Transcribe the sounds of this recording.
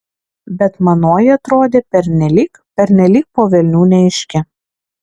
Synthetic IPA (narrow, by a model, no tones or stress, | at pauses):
bʲɛt̪mɐnoːjɪɐt̪ɾoːd̪ʲeːpʲɛɾʲnʲɛlʲiːk | pʲɛɾʲnʲɛlʲiːk̚poːʋʲɛlʲnʲuːnʲɛɪʃʲkʲɪ